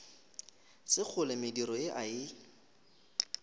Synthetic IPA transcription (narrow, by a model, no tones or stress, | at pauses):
sɪk͡xʰʊlɪmɪdiɾɔɪʔaɪ